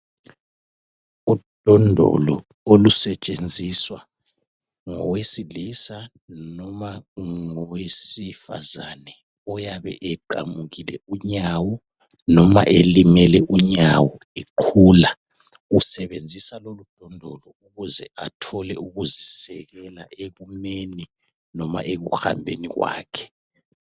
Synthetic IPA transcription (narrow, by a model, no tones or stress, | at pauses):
ud̥ʱɔndʱɔ̰lɔ̰ | olusɛt͡ʃʼend͡zʱiswa | ŋɔ̰wesilisa | nɔmaŋowesifa̰zanɛ | ɔjaβɛ̰ʔɛǃa̰muɣilɛuɲawɔ | nɔma̰ʔelimɛlɛʔuɲawɔ | eǃʰuːla | usɛβend͡zʱisalolud̥ʱɔndʱɔlɔuɣuzɛʔatʰɔlɛuɣuzisɛɣɛlaʔeɣumeni | nɔma̰ʔeɣuxha̰mbʱḛniɣwa̰ːkʰɛ̥